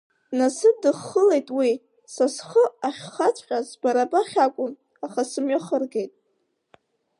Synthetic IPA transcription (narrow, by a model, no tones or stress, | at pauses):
nasɨdɨχːəle̞jtʼwi | sasχəaχʲχat͡sʷʰʼχʲʼasbaɾabaχʲakʷʼʊn | aχasɨmɥaχərɡe̞jtʼ